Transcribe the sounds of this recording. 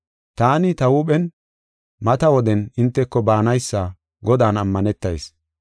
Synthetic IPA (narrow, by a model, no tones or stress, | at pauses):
t̪aːnɪt̪ɐwuːɓɛn | mɐt̪ɐwɔd̪ɛnɪnt̪ːɛkːɔbaːnɐjsːa | ɡɔd̪aːnɐmːɐnɛt̪ːɐjs